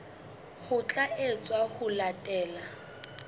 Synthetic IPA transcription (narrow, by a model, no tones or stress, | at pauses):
hʊt͡ɬʼaet͡sʼwahʊlatʼɛːla